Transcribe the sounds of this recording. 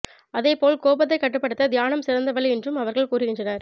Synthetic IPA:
ɐðeːpoːlkoːbɐt̪ːɐɪkːɐʈːɯpːɐɽɯt̪ːɐd̪jaːnɐmsɪɾɐnd̪ɐʋɐɭɛndrɯmɐʋɐɾɣɐɭkuːrɪɣɪndrɐnaːɾ

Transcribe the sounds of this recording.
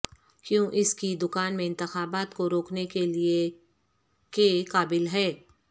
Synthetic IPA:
kjõːʔɪskid̪ʊkaːnmẽɪ̃nt̪ɪxaːbaːt̪koɾoːknekelie | kekaːbɪlɦɛː

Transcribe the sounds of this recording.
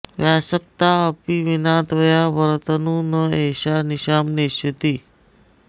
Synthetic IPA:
ʋjaɕək̚t̪aəpiʋinãt̪ʋəjaʋəɾt̪ənuːnəeɕaniɕamneɕət̪i

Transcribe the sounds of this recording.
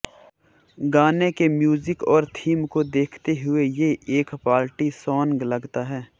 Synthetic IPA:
ɡaːnekemjuːzɪkɔːɾt̪ʰiːmkod̪eːkʰt̪eɦʊejeeːkpaːlʈisɔːŋɡlɐɡt̪aɦɛː

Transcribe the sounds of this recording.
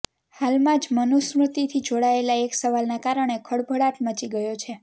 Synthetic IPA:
halmãd͡ʒmənusmɾut̪it̪ʰid͡ʒoɽaelaeksəʋalnakaɾəɳ̃ekʰəɽbʱəɽaʈmət͡ʃiɡəjot͡ʃʰe

